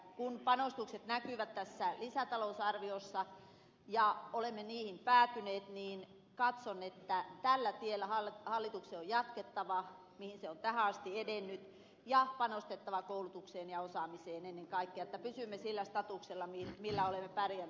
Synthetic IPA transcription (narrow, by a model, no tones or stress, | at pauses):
kunpɑnost̪ukset̪nækyʋæt̪tæsːælisæt̪ɑlousɑrʋiosːɑ | jɑolemːeniːhimpæːt̪yneːt̪niːn | kɑt̪sonːet̪ːæt̪ælːæt̪ielːæhɑlhɑlːit̪ukseːojɑt̪ket̪ːɑʋɑ | mihinseont̪æhæɑst̪iedenːyt̪ | jɑpɑnost̪et̪ːɑʋɑkoulut̪ukseːnjɑosɑmiseːnenːeŋkɑikːĕɑet̪ːæpysymːesilːæst̪ɑt̪ukselːɑmimilːæolemːepærjæn